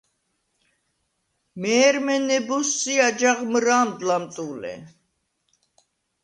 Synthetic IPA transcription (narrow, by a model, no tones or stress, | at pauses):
mɛːɾmɛnɛbɔsːiad͡ʒaʁmɾaːmd̪lamt̪ʼulɛ̰